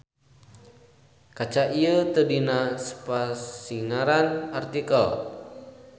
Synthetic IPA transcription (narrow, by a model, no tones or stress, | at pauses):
kat͡ʃaʔiət̪ədinasə̥pasiŋaɾanart̪ikəl